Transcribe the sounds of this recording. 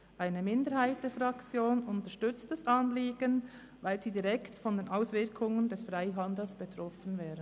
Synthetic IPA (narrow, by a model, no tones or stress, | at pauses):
ʔaɪnəmɪndəɾhaɪt̚d̥ɛːfɾɑkt͡sjoːnʊntəʃtʏt͡stəsʔɑnliːɡ̥ən | vaɪlziːdiʁɛktfɔndeːnʔaʊsvɪɾkʰʊŋəndɛsfʁaɪɦɑnd̪l̩sb̥ɛt̪ɾɔfən̩vɛːɾən